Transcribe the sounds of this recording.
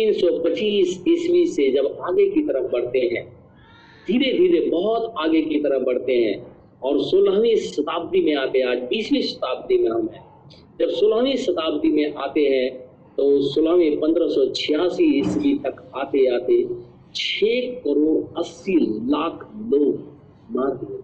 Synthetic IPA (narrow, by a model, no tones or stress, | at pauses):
t̪iːnsɔpət͡ʃiːsɪsmised͡ʒɐbaːɡekit̪əɾəbɐɽ̤t̪eɦɛ̃ː | d̪ʱiːɾed̪ʱiːɾebɔɦʊt̪aːɡekit̪əɾəbɐɽ̤t̪eɦɛ̃ː | ɔːɾsoːlaːʋisɐt̪aːb̚t̪imẽaːt̪eaːd͡ʒbiːswisɐt̪aːp̚t̪imẽɦɐmɦɛ̃ː | d͡ʒɐbsoːlaːʋisɐt̪aːp̚t̪imẽʔaːt̪eɦɛ̃ | t̪osoːlaːʋĩpɐ̃nd̪ɾəsɔt͡ʃʰɪjaːsiɪsmit̪ɐkaːt̪eaːt̪e | t͡ʃʰeːkəɾoːɽɐsːilaːkʰloːɡ | maːɾt̪i